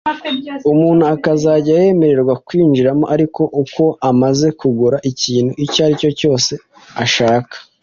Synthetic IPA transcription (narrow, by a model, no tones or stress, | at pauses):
umuːn̥huakazaɟaje̞me̞ɾe̞ɾɡwakwiːnd͡ʒiɾamo̞̰ʔaɾiko̞ʔuko̞ʔamaze̞kuɡuɾaʔiciːnhuʔicaɾico̞co̞ːse̞ | aʃaːkḁ